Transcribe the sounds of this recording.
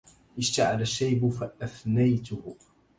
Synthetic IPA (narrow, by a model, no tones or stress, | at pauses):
ʔɪʃt̪aʕalaʃːajbʊfaʔaθnajt̪ʊhʊ